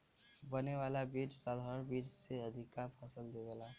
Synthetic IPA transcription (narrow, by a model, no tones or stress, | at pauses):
bəneʋaːlabiːt͡ʃsaːd̪ʱabiːd͡ʒseəd̪ʱɪkːaɾpʰəsəld̪eɡela